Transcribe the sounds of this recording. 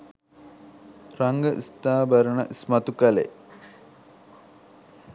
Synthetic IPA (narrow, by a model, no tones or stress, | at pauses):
rɐŋɡəʔḭst̪aːbɐɾəɳɐ̰ʔismɐt̪ukɐlḛ